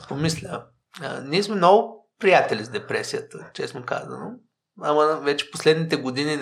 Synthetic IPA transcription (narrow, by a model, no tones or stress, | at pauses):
pomislʲə | ə̰niɛsmɛmnɔɡʊpɾijat̪ɛlʲizd̪ɛpɾɛsijət̪ət͡ʃɛsnoka̰zə̰no | aməvɛt͡ʃɛ̥poslɛd̪nit̪ɛɡod̪inin